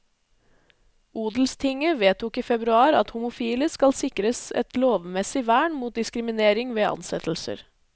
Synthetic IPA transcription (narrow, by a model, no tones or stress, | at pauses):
uːd̪l̩st̪ʰɪŋəʋeːt̪ʰʊkiːfɛbɾʉɑːɾɑt̪hʊmʊfiːləskɑlsɪkɾəsɛ̰t̪loːʋmɛsɪʋæːɳmuːt̪̚d̪ɪskɾɪmɪneːɾɪŋʋeːʔɑ̰nsɛt̪l̩sə̰ɾ